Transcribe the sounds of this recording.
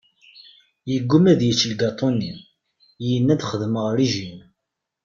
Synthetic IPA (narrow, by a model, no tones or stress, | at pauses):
jəɡʷːumæðjət͡ʃːlɡɑt̪ˤoni | jənːæd̪χəðməʁɾiʒin